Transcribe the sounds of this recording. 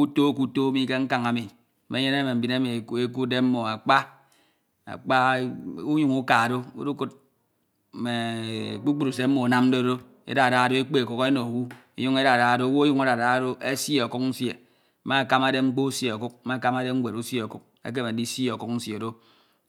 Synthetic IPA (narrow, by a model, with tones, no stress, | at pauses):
u˦to˦ku˦to˦mi˦ke˦ŋ̩˦ka˨ŋa˨mi˨˦ | me˨˦e˦ne˦me˨m̩˨bi˨ne˦me˨e˦ku˦de˦m̩˦mo˨a˨k͡pa˦ | a̰˨k͡pa˦u˦ɲu˦˨ŋu˦ka˨do˦ṵ˦du˦ku˦t̚ | me˨k͡pu˦k͡pu˦ɾu˨se˦m̩˦mo˨na˦mn̩˦do˦do˦ | ḛ˦da˨da˨˦o˦e˦k͡pe˦e˨ku˦ke˦no˨wu˦e˨ju˦ŋe˦da˨da˨do˦wo˦ju˦ŋa˦da˨da˨˦do˦e˦sje˦˨o˨ku˦k̚n̩˦sje˨˦ | ma˦a˨ka˦ma˨de˦ŋ͡m̩˦k͡po˦u˦sje˨o˨ku˦k̩̚˦ma˦˨˦ka˦ma˦de˦ŋ̩˦ɡʷe˨ɾu˦se˨o˨ku˦k̚ḛ˦k̬e˦me˨˦di˦se˨o˨ku˦k̚n̩˦sje˨do˦